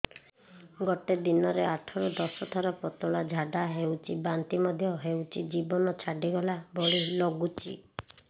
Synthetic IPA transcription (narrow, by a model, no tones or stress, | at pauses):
ɡɔʈed̪inɔɾeaʈʰɔɾud̪ɔsɔt̪ʰɔɾɔpɾɔt̪ɔɭad͡ʒʱaɖaɦewt͡ʃʰibant̪imɔd̪ʱjɔɦewt͡ʃʰid͡ʒibɔnɔt͡ʃʰaɖiɡɔlabɔɭilɔɡut͡ʃḭ